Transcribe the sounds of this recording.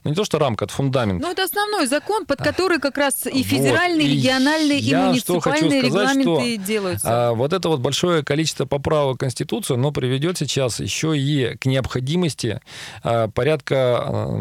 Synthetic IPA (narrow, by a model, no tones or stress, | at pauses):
nunʲɪt̪o̞ʂt̪oɾamkəɛt̪ə̥fʊnd̪amʲɪntnuɛt̪əɐsnɐvno̞jzɐko̞npət̪kɐt̪o̞ɾɨjkɐkɾasifʲɪdʲɪɾalʲnɨjɾʲɪjɡʲɪɐnalʲnɨjəiamʊɪtʂt̪oɨxɐpat͡ɕlunɨjəɾʲɪɡɐzatlˠaʂmʲɪnt̪ot̪ɨdʲe̞lˠəjʊt̪svo̞t̪ɛt̪əvo̞t̪̚bɐlʲʂo̞jəkɐlʲit͡ɕɪ̥st̪vəpɐpɾavəkːənsʲtʲɪt̪ut̪sɨjɐno̞pɾʲɪvʲɪdʲo̞t̪sʲɪt͡ɕasjɪ̰ɕːoiknʲɪəpxɐdʲiməsʲtʲɪ̰əpɐɾʲat̪kə